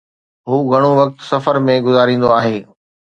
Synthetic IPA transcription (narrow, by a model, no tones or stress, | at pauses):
ɦuːɡʱɐɽ̃oʋɐk̚t̪sɐfəɾmẽɡʊzaːɾĩːnd̪oaːɦeː